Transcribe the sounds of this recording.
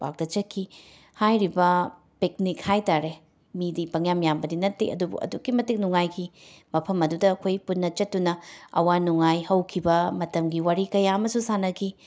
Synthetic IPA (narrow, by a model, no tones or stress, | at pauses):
ba̰k̚d̥ɐt͡ʃɐkʰːi | hajɾibɐ | pek̚nik̚hajtaɾe | midipɐŋjamjambɐdinɐtːiɐ̰dubṵʔɐ̰dukːimɐtik̚nuŋajkʰimɐpʰɐmɐdudɐːkʰojpunːɐt͡ʃɐt̚tːunɐɐ̰wanuŋajhɐwkʰibɐmɐtɐmɡiwaɾikɐjaɐmɐsusanɐkʰi